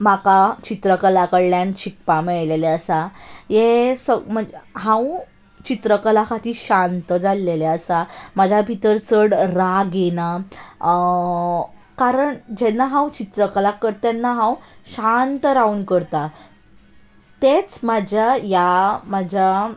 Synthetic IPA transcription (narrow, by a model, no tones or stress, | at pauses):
makat͡ɕit̪ɾəkəlakəɽljant͡ɕʰik̚pamɛɭleleəsajesəm̤əɳd͡zeɦãw | t͡ɕit̪ɾəkəlakʰat̪iːɕant̪əd͡zalːeleəsamad͡ʑʱabʱit̪əɾt͡səɽɾaɡena | kaɾəɳd͡ʑɛnːaɦãwt͡ɕit̪ɾəkəlakːəɾt̪ɛnːaɦãwɕant̪əɾaunkəɾt̪a | t̪et͡smad͡ʑʱjajamad͡ʑʱa